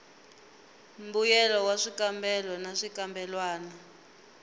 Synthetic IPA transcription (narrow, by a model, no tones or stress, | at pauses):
mbujɛlɔwaʂikambɛlɔnaʂikambɛlwaːna